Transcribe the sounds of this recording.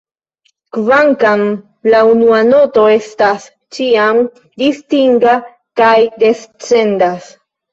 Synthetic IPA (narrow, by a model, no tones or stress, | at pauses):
kvaŋkam | launuano̞to̞e̞stas | t͡ʃiam | distiŋɡa | kajde̞st͡se̞ndas